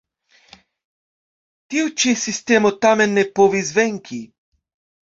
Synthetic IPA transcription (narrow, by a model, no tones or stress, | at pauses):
t̪iwt͡ʃisist̪emɔt̪amɛnːɛpoʋizʋɛŋkʰi